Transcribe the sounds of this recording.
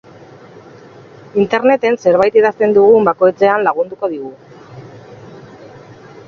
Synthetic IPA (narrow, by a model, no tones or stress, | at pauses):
int̪e̞ɾne̞t̪e̞nse̞ɾβajt̪iðast̪e̞nd̪uɣ̞umbako̞jt͡se̞anlaɣ̞und̪uko̞ð̞iɣu